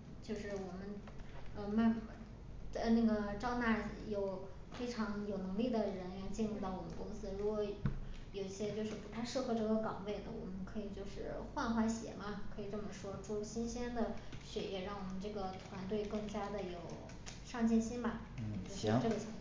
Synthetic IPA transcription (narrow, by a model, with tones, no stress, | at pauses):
t͡ɕjo˥˧ʊʂɻ̩˥˩wɔ˨˩mə˦n | ə˧˩ma˥˧n˥˧ | na˥˩ɡə˩ʈ͡ʂɑ˥ʊna˥˩jo˨˩ʊ | fe˥ɪʈ͡ʂʰɑ˧˥ŋjo˨˩ʊnɤ˧˥ŋli˥˩d̪ə˩ɻə˧˥nɥɛ˧˥nt͡ɕi˥˧nɻu˥˩t̪ɑ˥˩ʊwɔ˨˩mə˦ntkʊ˥ŋsɹ̩˧˥ɻu˧˥kwɔ˧˥ | jo˨˩ʊi˥˩ɕjɛ˥t͡ɕjo˥˧ʊʂɻ̩˥˩pu˧˥t̪ʰa˥˧ɪʂɤ˥˩xɤ˧˥ʈ͡ʂɤ˥˩ɡə˧kɑ˨˩ŋwe˥˩ɪnə˩wɔ˨˩mə˦nkʰɤ˧˥i˨˩t͡ɕjo˥˧ʊʂɻ̩˥˧xwa˥˧nxwa˥˩ɕjɛ̰˨˩˥mɐ˧kʰɤ˧˥i˨˩ʈ͡ʂɤ˥˩mə˩ʂwɔ˥ʈ͡ʂu˥˧ɕi˥nɕjɛ˥nd̪ə˨ɕɥɛ˨˩jɛ˨˧˩ɻɑ˥˩ŋwɔ˨˩mə˦nʈ͡ʂɤ˥˩ɡə˩t̪ʰwa˧˥nt̪we˥˧ɪkɤ˥˩ŋt͡ɕja˥d̪ə˨jo˨˩ʊ | ʂɑ˥˧ŋt͡ɕjɛ˥˩nɕi˥nbɐ˨˩ | t͡ɕo˥˩˥ʈ͡ʂɤ˥˩ɡə˩t͡ɕʰɑ˨˧˩